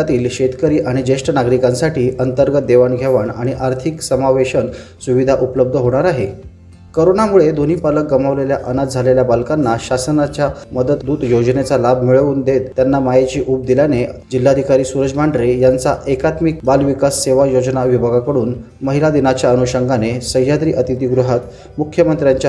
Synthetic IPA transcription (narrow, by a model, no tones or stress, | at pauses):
at̪iːlɕet̪kəɾiːʔaɽ̃id͡ʑeʂʈənaɡɾikansaʈiːʔənt̪əɾɡət̪̚d̪eʋanɡʱeʋaɳaɽ̃iʔaɾt̪ʰiksəmaʋeɕənsuʋid̪ʱaʔupləb̚d̪ʱəɦoɽ̃aɾaɦe | koɾoɳamuɭed̪ʱonipalək̚ɡəmaʋleljaʔənat̪̚d͡zʱaleljabalkanːaɕasənat͡ɕjaməd̪ət̪d̪uːt̪jod͡ʑnet͡salabʱmiɭəuːnd̪et̪ːjanːamajet͡ɕiːʔup̚d̪iljaned͡ʑilːad̪ʱikaɾiːsuɾəd͡ʑmaɳɖɾejant͡saʔekat̪mik̚balʋikasːeʋajod͡ʑnaʋibʱaɡakəɽuːn | məɦilad̪inat͡ɕjaənuɕəŋɡʱanesəɦjad̪ɾiːʔət̪it̪iːɡɾuɦat̪ | mukʰjəmənt̪ɾjaɲt͡ɕa